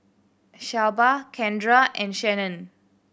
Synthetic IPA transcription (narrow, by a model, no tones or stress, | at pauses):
ʃawbakʰɛ̃ndɹaɛ̃nʃɛnə̃n